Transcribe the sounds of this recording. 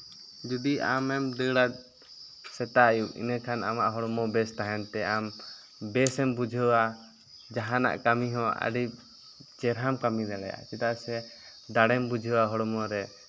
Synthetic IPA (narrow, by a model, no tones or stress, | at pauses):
d͡ʒɔd̪iamɛmd̪əɡɽat̪̚ | sɛt̪ajuḭnəkʰanamaʔɦɔɽɔmɔbɛst̪aɦɛnt̪ɛam | bɛsɛmbud͡ʒʱəwa | d͡ʒaɦana̰ʔkamiɦɔ̃a̰ɖip̚ | t͡ʃɛɾɦamkamid̪ɛlɛ̰ja̰ʔt͡ʃɛt̪aʔsɛ | d̪aɽɛmbud͡ʒʱəwaɦɔɽɔmɔɾɛ